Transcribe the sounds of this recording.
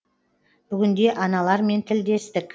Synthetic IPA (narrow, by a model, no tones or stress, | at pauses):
b̥ʏɡʲɪnd̪e̞ʔɑnɑlˠɑɾme̞nt̪ʰɪld̪e̞st̪ɪkʲ